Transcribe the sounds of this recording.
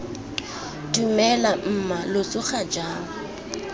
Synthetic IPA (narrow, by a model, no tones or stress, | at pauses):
tumɛlam̩malot͡sʼʊχad͡ʒaːŋ̩